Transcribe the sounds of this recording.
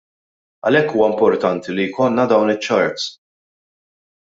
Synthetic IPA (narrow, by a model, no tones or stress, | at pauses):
ɐ̰lɛkːuːwɐɪmpɔɾt̪ɐnt̪ilijkɔnːɐd̪ɐwnɪt͡ʃːɐɾt̪s